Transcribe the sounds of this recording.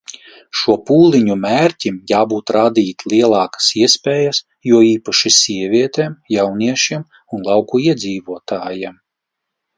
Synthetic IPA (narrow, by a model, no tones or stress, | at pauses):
ʃuɔpuːlˠiɲumæːɾʲtʲimjaːbuːt̪ɾaːd̪iːt̪lˠiɛlˠɑːkḁsiɛspʲɛːjas | juɔiːpaʃisʲiɛvʲiɛt̪eːmjawniɛʃiɛm | unlˠɑwkuiɛd̪ziːvuɔt̪aːjɛm